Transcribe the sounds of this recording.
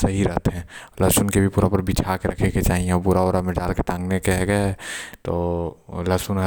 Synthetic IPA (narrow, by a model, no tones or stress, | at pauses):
səɦiɾəɦt̪ɦɛ̃ːləsʊnkebʱipuːɾapəɾbit͡ʃʰakeɾɐkʰeket͡ʃaːɦiẽɔbuɾaoːɾamed͡ʒaːlket̪ãːŋɡnekeɦɛɡət̪oːləsʊnɦə